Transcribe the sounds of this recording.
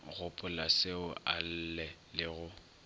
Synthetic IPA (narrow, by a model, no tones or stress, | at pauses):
ɣʊpʼʊlaseʊʔal̩lɛlɪɣʊ